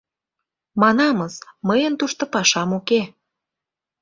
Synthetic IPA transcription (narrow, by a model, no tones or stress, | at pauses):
mɑnɑməsməjənt̪uʃt̪ŏpɑʃɑmuke